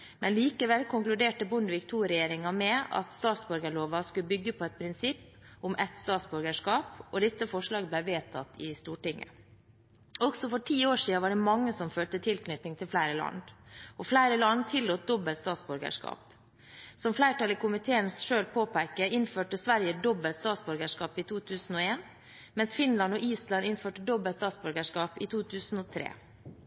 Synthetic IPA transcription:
mɛnliːkəʋɛlkʰʊŋklʉd̪eːʈəbʊnd̪əʋɪkt̪ʰuːɾɛjeːɾɪŋɑmɛɑ̰t̪st̪ɑːt̪sbʉɾɡəɭoːʋɑskʉbʏɡːəpʰɔɛt̪̚pʰɾɪnsɪpː | ʊmʔɛt̪st̪ɑːt̪sbʉɾɡəʂkɑːpɔd̪ɛt̪ːəfɔʂɭɑːɡəblæɪʋeːt̪ʰɑt̪ːɪst̪uːʈɪŋːə̰ | ɔɡsɔfɔʈʰiːoːʂiːɑnʋɑɖɛmɑŋːəsɔmføːlt̪ət̪ʰɪlkʰnʏt̪nɪŋt̪ʰɪlflæɪɾəlɑ̰nd̪ʔɔflæɪɾəlɑnt̪ʰɪlːuːt̪̚d̪ɔbəlt̪st̪ɑːt̪sbʉɾɡə̰ʂkɑ̰ːp | sɔmflæɪʈɑːlɪkʊmɪt̪ʰeːənsʂøːlpʰoːpʰæɪkəɪnføːʈəsʋæɾjəd̪ɔbəlt̪st̪ɑːt̪sbʉɾɡəʂkɑːpɪt̪ʰuːt̪ʰʉːsn̩ɔːeːn | mɛnsfɪnlɑnɔʔiːslɑnɪnføːʈəd̪ɔbəlt̪st̪ɑːt̪sbʉɾɡəʂkɑːpɪt̪ʰuːt̪ʰʉːsn̩oːt̪ʰɾḛː

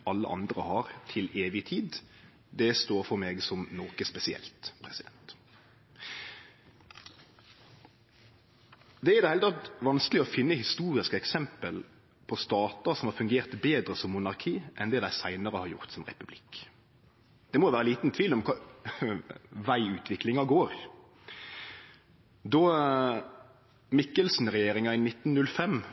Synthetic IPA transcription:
ʔɑlːə̰ʔɑ̰nd̪ɾə̰hɑːɾt̪ʰɪleːʋɪt̪ʰiːd̪ | d̪ɛst̪oːɾfɔɾmeːɡsɔmnoːkəspɛsɪɛ̰lt̪pʰɾɛsɪd̪ɛnt̪ | d̪ɛɛɾd̪ɛhɛlt̪ɑt̪ʋɑnskəlɪɔfɪnːəhɪst̪uːɾɪskəɛksɛmpəl | pʰɔst̪ɑːt̪ɑsɔmhɑːɾfʉŋɡeːʁt̪beːd̪ɾəsɔmːʊnɑʁkʰiːʔɛnd̪ɛːd̪æɪsæɪnəɾəhɑɾjʊ̰ʁt̪sɔmʁɛ̰pʉblɪk | d̪̥ɛmɔʋæːɾəliːt̪nt̪ʰʋiːlɔmkʰɑ | ʋæɪʉːt̪ʰʋɪklɪŋɑɡoːɾ | d̪ɔ | mɪkːəlsn̩ʁɛjeːɾɪŋɑɪnɪt̪ːnnʉlfɛm

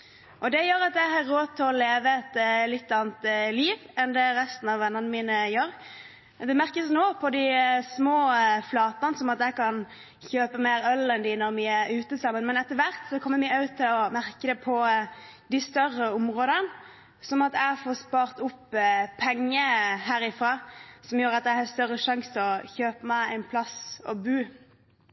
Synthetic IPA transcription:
ʔɔd̪ɛjøːɾɑt̪jæɦɑɾːoːt̪ʰːɪlɔleːʋəɛt̪lɪt̪ːɑːnt̪liːʋɛnd̪ɛɾɛst̪n̩ɑʋʋɛnːəʁnəmiːnəjøːɾ | d̪ɛmæɾkəsnoːpʰɔd̪ɪsmoːflɑːt̪ɑnsɔmɑt̪æɪkɑn | çøːpəmeːɾœlɛnd̪ɪnɔɾmɪæɾʉːt̪əsɑmːənmɛnɛt̪ːəɾʋæɾt̪sɔkʰɔmːəmɪɑʉt̪ʰːɪlɔmæɾkəd̪ɛpʰɔd̪ɪst̪œɾəʊmʁoːd̪ən | sɔmɑt̪æɪfoːspɑːʁt̪ʊpːpʰɛŋːəɦæːɾɪfʁɑːsɔmjuːɾɑt̪̚æhɑst̪œɾəʂɑŋst̪ɔçøːpəmæɪæ̰ɪnpʰlɑsɔ̰bʉː

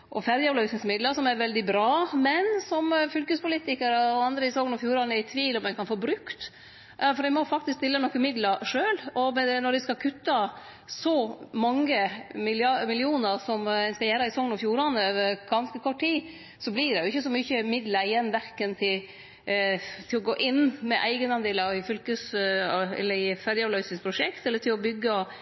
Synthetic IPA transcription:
ʔɔfæɾjəɔblœʉsnɪŋsmɪd̪ləɾsɔmæɾʋɛld̪ɪbɾɑːmɛnsɔmfʉlkəspʊliːt̪ɪkəɾəɔɑnd̪ɾəɪsɔŋnɔfjuːɾɑnəɪt̪ʰʋiːlɔmɛnkɑnfoːbɾʉkt̪ | fɔɾd̪ɛɪmɔfɑk̚t̪ɪsk̚t̪ɪlːənɔkːəmɪd̪ləɾʂøːlɔmɛɛnɔɾdɛskɑkʰʉt̪ːɑ | sɔmɑŋːəmɪlɑmɪlɪuːnəɾsɔmɛnskɑjæːɾɑɪsɔŋːənɔfjuːɾɑnəøːʋəɾɡ̥ɑnskəkʰɔʈʰːtiː | sɔblɪɖ̪ɛjʊɪçːəsɔmʏçəmɪd̪ləɾɪjɛnːʋæɾkənt̪ʰɪl | t̪ʰɪlɔɡoːʔɪnːmɛʔæɪɡənɑnd̪eːləɑʋɪfʏlkəs | ɛ̰lːəɾɪfæɾjəɑʋlœʏsɪŋspʰɾʊʂɛkt̪ɛlːəʈʰɪlɔbʏɡːə

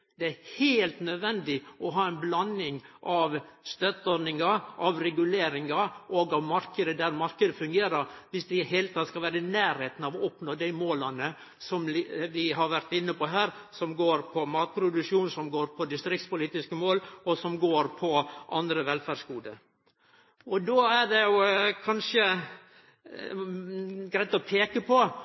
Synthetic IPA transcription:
d̪̥ɛæɾheːlt̪nœd̪ʋɛnd̪ɪʔɔɦɑːɛnblɑnːɪŋʔɑʋst̪œt̪ːɔɾnɪŋɑʔɑʋɾɛɡʉleːɾɪŋɑɔɡɑʋmɑɾkəd̪əd̪æɾmɑɾkəd̪əfʉŋɡeːɾəɾʋɪsd̪ɪɦeːlət̪ʰɑːt̪skɑlʋæːɾənæːɾheːt̪nɑʋɔɔpnoːd̪æɪmoːlɑnə | sɔmʋɪɦɑɾʋæɾt̪ɪnːəpɔɦæːɾsɔmɡoːɾpʰɔmɑːt̪̚pʰɾʊd̪ʉʂuːnsɔmɡoːɾpʰɔd̪ɪst̪ɾɪk̚t̪spʊliːt̪ɪskəmoːlɔsɔmɡoːɾpʰɔʔɑnd̪ɾəʋɛlfæːɖkuːd̪əɾ | ɔd̪oːæɖɛjʊkʰɑnʂə | ɡɾæɪt̪ɔpʰeːkəpʰɔ

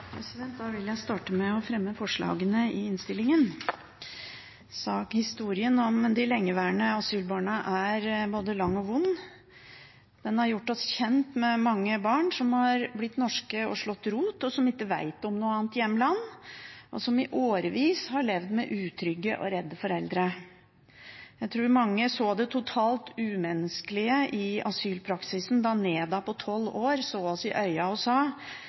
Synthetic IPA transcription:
pʰɾɛsɪd̪ɛnt̪̚d̪ɑːʋɪljæɪst̪ɑːʈəmɛɔfɾɛmːəfɔʂɭɑ̰ːɡənəɪɪnst̪ɪlːɪŋən | sɑːkhɪst̪uːɾɪənɔmd̪ɪlɛŋːəʋæːɳəɑsyːlbɑːɳəʔæɾboːd̪əlɑŋːɔʋʊnː | d̪̥ɛnhɑɾjʊʈːɔsçɛnt̪mɛmɑŋːəbɑːɳsɔmhɑɾblɪt̪ːnɔʂkəɔ̰ʂɭɔt̪ːɾuːt̪ɔsɔmɪkːəʋæ̰ɪt̪ɔmnuːəɑːnt̪jɛmːəlɑnːʔɔ̰sɔmɪʔoːɾəʋiːshɑɭɛʋd̪mɛʔʉːt̪ʰɾʏɡːəʔɔ̰ɾɛd̪ːəfɔɾɛld̪ɾə | jæɪt̪ʰɾuːɾmɑŋːəsoːd̪ɛt̪ʰʊt̪ʰɑːlt̪ʉːmɛnːəskəlɪəʔɪɑsyːlpʰɾɑksɪsn̩d̪ɑneːd̪ɑpʰɔt̪ʰɔlːoːɾsoːɑsɪʔœʏɑɔsɑː

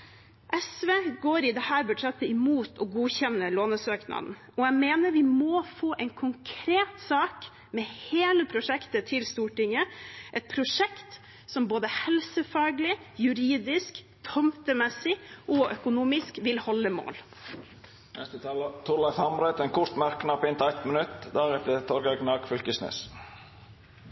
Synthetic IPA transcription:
ʔɛsʋeːɡoːɾɪd̪ɛhæːɾbʉʈʂɛt̪ːəɪmuːt̪ɔɡuːçɛnːəloːnəsøːknɑ̰d̪n̩ | ɔæmeːnəɾʋɪmɔfoːʔɛɪnkʰʊŋkʰɾeːt̪sɑːk | mɛheːləpʰɾʊʂɛkt̪ət̪ʰɪlst̪uːʈɪŋːəʔɛt̪̚pʰɾʊʂɛkt̪ | sɔmboːd̪əhɛlsəfɑːɡlɪjʉɾiːd̪ɪsk | t̪ʰɔmt̪əmɛsɪʔɔʔœkʊnuːmɪskʋɪlhɔlːəmo̰ːl | nɛ̰st̪ət̪ʰɑːlt̪ʰʊɾlɑθɑmɾɛt̪ɛnkʰʊɾt̪mæɾknɑpɪnt̪æt̪mənʉt̪d̪æɾɛt̪ət̪ʰɔɾɡɑɡnɑːɡfʏlkəsnḛːs

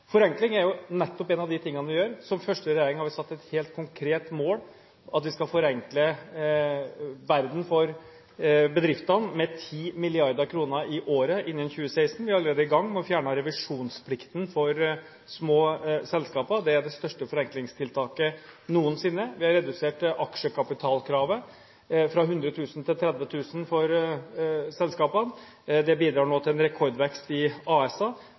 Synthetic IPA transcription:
fɔɾɛŋklɪŋæɾjʊnɛt̪ːɔpeːnɑʋd̪ɪt̪ʰɪŋːənʋɪjøːɾsɔmfœʂʈəɾɛjeːɾɪŋhɑɾʋɪsɑt̪ːɛt̪heːlt̪̚kʰʊŋkʰɾeːt̪moːl | ʔɑt̪ʋɪskɑlfɔɾɛŋklə | ʋæɾd̪n̩fɔɾ | bəd̪ɾɪft̪ɑnmɛt̪ʰiːmɪlɪɑɾd̪əkʰɾuːnəʔɪʔoːɾəʔɪnːənçʉːəsæɪst̪n̩ʋɪɑləɾeːd̪əɪɡɑŋːmɔfjæːɳəɾɛʋɪʂuːnspʰlɪkt̪nfɔɾ | smoːsɛlskɑːpəd̪ɛæɖɛst̪œʂʈəfɔɾɛŋklɪŋst̪ʰɪlt̪ʰɑːkənuːənsɪnːəʋɪhɑɾɛd̪ʉseːʈʔɑkʂəkʰɑpɪt̪ʰɑːlkʰɾɑːʋə | fɾɑɦʉnd̪ɾət̪ʰʉːsn̩t̪ʰɪlt̪ʰɾɛd̪ʋət̪ʰʉːsənfɔɾ | sɛlskɑːpən | d̪ɛbiːd̪ɾɑːɳoːt̪ɪlɛnɾɛkʰɔɾɖ̪ʋɛkst̪ɪʔɑːɛsɑ

